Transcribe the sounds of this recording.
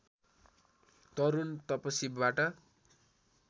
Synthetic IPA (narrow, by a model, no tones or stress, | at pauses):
t̪ʌɾunt̪ʌpʌsibaʈʌ